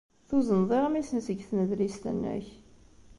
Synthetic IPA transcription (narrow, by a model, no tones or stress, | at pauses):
θuzənðˤeʁmisənsəɡθnəðlist̪ə̰nːæ̰ç